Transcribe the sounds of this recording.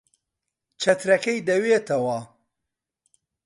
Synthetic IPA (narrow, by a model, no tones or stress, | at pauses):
t͡ʃʰɐt̪ɾɐkɐjd̪ɐweːt̪ʰɐwɐ